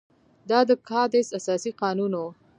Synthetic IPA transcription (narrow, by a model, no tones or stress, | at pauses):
d̪ɑd̪əkɑd̪esasɑsiqɑnunwo